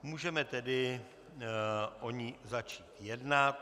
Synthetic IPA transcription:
muːʒɛmɛt̪ɛdɪ | ʔoɲɪzat͡ʃiːt̪jɛdnat̪

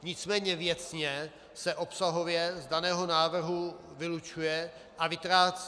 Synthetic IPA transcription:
ɲɪt͡smɛːɲɛvjɛt͡sɲɛ | sɛʔo̞psaɦo̞vjɛzdanɛːɦo̞naːvr̩ɦu | vɪlut͡ʃujɛ | ʔavɪt̪ɾaːt͡s

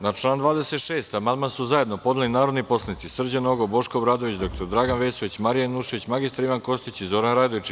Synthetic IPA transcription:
nat͡ʃlˠaːnd̪ʋaːd̪ese̞t̪ʃe̞ːst̪amand̪mansuzaje̞d̪nopo̞d̪elinaːɾod̪nipo̞slˠenit̪sisr̩d͡ʑano̞ɡobo̞ʃkobɾaːd̪o̞ʋit͡ɕd̪o̞k̚t̪o̞ɾd̪ɾaːɡanʋeːsoʋit͡ɕmaɾijanuʃeʋit͡ɕmaɡist̪aɾiʋanko̞st̪it͡ɕizo̞ːɾanɾaːd̪oʋit͡ʃ

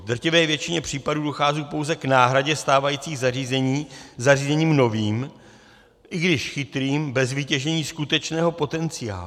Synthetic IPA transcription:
vd̪r̩cɪvɛːvjɛt͡ʃɪɲɛpr̝̥iːpaduːdo̞xaːziːpowzɛknaːɦɾaɟɛst̪aːvajiːt͡siːɣzariːzɛɲiːzariːzɛɲiːmno̞viːm | ʔɪɡdɪʃxɪt̪ɾiːmbɛzviːcɛʒɛɲiːskut̪ɛt͡ʃnɛːɦo̞po̞t̪ɛnt͡sɪja̰ːlu

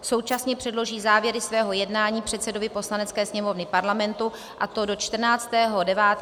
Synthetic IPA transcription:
so̞wt͡ʃasɲɛpr̝̥ɛdlo̞ʒiːzaːvjɛɾɪsvɛːɦo̞jɛdnaːɲiːpr̝̥ɛt̪sɛdo̞vɪpo̞slanɛt͡skɛːsɲɛmo̞vnɪpaɾlamɛnt̪u | ʔat̪o̞do̞t͡ʃt̪r̩naːt͡st̪ɛːɦo̞dɛvaːt̪

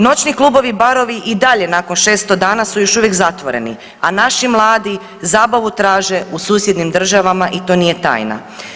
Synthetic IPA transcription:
no̞t͡ɕniklˠuːbo̞ʋibaɾo̞ʋiʔid̪aʎe̞nako̞nʃe̞ːst̪od̪aːnasujo̞ʃuʋje̞kzat̪ʋo̞ɾe̞̰ni | anaʃimlˠaːd̪i | zaːbaʋut̪ɾaːʒe̞usuːsjed̪nimd̪r̩ʒaʋamaʔit̪o̞ːnije̞t̪a̰ːjna̰

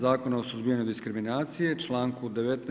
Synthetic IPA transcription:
zaːko̞naosuzbijaɲud̪iskɾiminaːt̪sije̞t͡ʃlˠaːŋkud̪e̞ʋet̪n

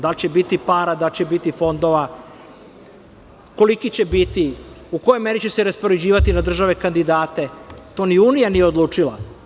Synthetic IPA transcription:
d̪alt͡ɕebit̪ipaːɾad̪alt͡ɕebit̪ifo̞nd̪o̞ʋa | ko̞likit͡ɕe̞bit̪i | uko̞jomeɾit͡ɕeseɾaspo̞ɾed͡ʑiːʋat̪inad̪r̩ʒaʋe̞kand̪id̪aːt̪e̞t̪o̞ːniuːnijanijeod̪lˠuːt͡ʂila

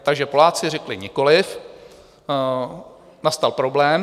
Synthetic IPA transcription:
t̪aɡʒɛpo̞laːt͡sɪrɛklɪɲɪko̞lɪf | nast̪alpɾo̞blɛːm

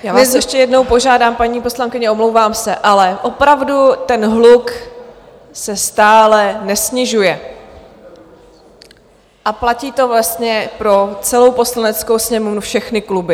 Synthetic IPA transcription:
jaːvnːɛsɛʃcɛjɛdno̞wpo̞ʒaːdaːmpaɲiːpo̞slaŋkɪɲɛʔomlowvaːmsɛʔalɛʔo̞pɾavdut̪ɛnɦluk | sɛst̪aːlɛnɛsɲɪʒujɛ | ʔaplaciːt̪o̞vlast̪ɲɛpɾo̞t͡sɛlo̞wpo̞slanɛt͡skowsɲɛmuvnufʃɛxnɪklubɪ

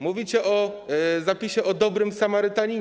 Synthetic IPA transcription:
muvʲit͡ɕɛʔɔzapʲiɕɛʔɔd̪ɔbɾɘmsamaɾɘt̪aɲi

